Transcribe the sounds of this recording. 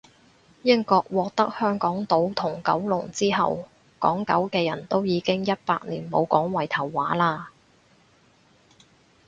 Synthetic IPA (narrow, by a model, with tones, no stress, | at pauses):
jɪ˥ŋkɔː˧k̚wɔː˧k̚t̪ɐ˥k̚hœː˥ŋkɔː˨˥ŋt̪o˨˥wt̪ʰʊ˨˩ŋkɐ̰˨˥wlʊ˨˩ŋt͡siː˥ɦɐ̰˨w | kɔ̰ː˨˥ŋkɐ̰˨˥wkɛː˧jɐ˨˩nt̪o˥wjiː˨˧kɪ˥ŋjɐ˥t̚pa̰ː˧k̚niː˨˩nmo˨˧wkɔː˨˥ŋwɐ˨˩jt̪ʰɐ˨˩wːaː˨˥laː˧